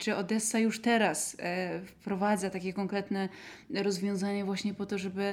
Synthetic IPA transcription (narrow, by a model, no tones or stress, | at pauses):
t͡ʂɘɔd̪ɛsːajuʂt̪ɛɾasfpɾɔvad̪zat̪akʲɛkɔŋkɾɛt̪nɛ | ɾɔzvʲjɔ̃w̃zaɲavwaɕɲɛpɔt̪ɔʐɛbɘ